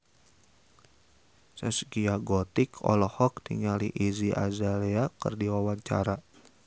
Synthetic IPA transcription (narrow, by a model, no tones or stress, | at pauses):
səskiaɡɔt̪ikʰɔ̰lɔhɔk̚t̪ḭŋaliʔiziʔa̰zaleakə̰rdiwawaɲt͡ʃa̰ɾa